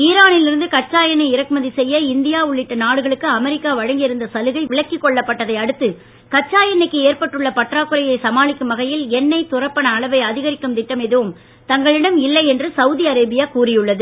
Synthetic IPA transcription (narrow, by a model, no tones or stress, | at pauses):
iːɾaːnɪlɪɾɯnd̪ɯkɐt͡ʃːaːjɐnɐɪɪɾɐkɯmɐðisɛjːɐɪnd̪ɪjaːʊɭːɪʈːɐnaːɽɯɣɐɭɯkːɯɐmɛɾɪkːaːʋɐɻɐŋɡɪjɪɾɯnd̪ɐsɐlɯɣɐɪʋɪɭɐkːɪkːɔɭːɐpːɐʈːɐðɐɪɐɽɯt̪ːɯ | kɐt͡ʃːaːjɐnɐɪkːɯeːɾpɐʈːɯɭːɐpɐʈraːkːɯɾɐjɐɪsɐmaːɭɪkːɯmɐɣɐjɪlɛnːɐɪt̪ʊrɐpːɐɳɐːɭɐʋɐɪɐðɪɣɐɾɪkːɐmt̪ɪʈːɐmɛðɯʋɯm | t̪ɐŋɡɐɭɪɽɐmɪlːɐɪɛndrɯsɐʋʊðiɐɾɐːbɪjaːkuːrɪjɯɭːɐðɯ